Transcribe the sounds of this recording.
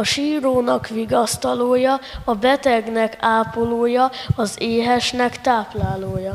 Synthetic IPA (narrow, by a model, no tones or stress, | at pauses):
ɒʃiːɾoːnɒkʋiɡɒst̪ɒloːjɒɒbɛt̪ɛɡnɛkaːpoloːjɒɒzeːɦɛʃnɛkt̪aːplaːloːjɒ